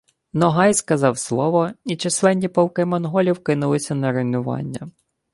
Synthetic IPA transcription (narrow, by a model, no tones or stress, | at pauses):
nɔɦɑjskɐzɑwslˠɔʋɔit͡ʃeslˠɛnʲːipɔw̪ˠkɪmɔnɦɔlʲiwkɪnʊlˠɪsʲɐnɐɾenʊʋɑ̰nʲːɐ